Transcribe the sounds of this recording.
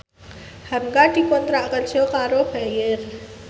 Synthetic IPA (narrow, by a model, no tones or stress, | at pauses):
hɐmɡaʈʰikond̪ɾaʔkəlsoːkaːɾoːpɦɛjeɾ